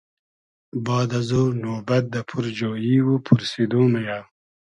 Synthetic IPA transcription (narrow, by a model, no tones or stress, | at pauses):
bɑːd̪azonoːbɐt̪̚d̪apʰuɾd͡ʒoːjiwupʰuɾsid̪uːmaja